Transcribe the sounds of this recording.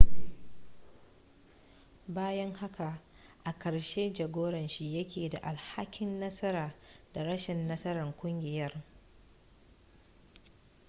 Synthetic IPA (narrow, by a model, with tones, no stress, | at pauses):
baː˦jɐ˦ŋha˦ka˨ | ʔa˨kɐ˨ɽʃeː˦d͡ʒɐ˨ɡʷoː˦ɽɐ˨nʃi˦jɐ˦kʲʰeː˨da˨ʔa˨lha˦kʲɪ˦nːɐ˦sɐ˦ɾaː˨da˨ɽɐ˦ʃɪ˨nːɐ˦sɐ˦ɾɐ˨ŋkʷʊ˦ŋɡʲɪ˨jɐ˦r